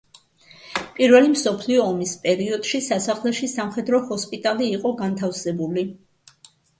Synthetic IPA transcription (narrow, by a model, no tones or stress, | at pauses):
pʼiɾvɛlimsɔpʰliɔːmispʼɛɾiɔd̪̥ʃisasaχlɛʃisamχɛd̪ɾɔhɔspʼit̪ʼaliːqʼɔɡant̪ʰafsɛbuli